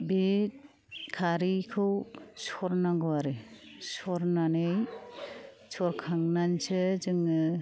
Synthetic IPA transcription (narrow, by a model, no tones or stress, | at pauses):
bet̚ | kʰaɾikʰɯwsɔɾnaɡɔwaɾesɔɾnanej | sʰɔɾkʰaŋnansɯzɯŋɯ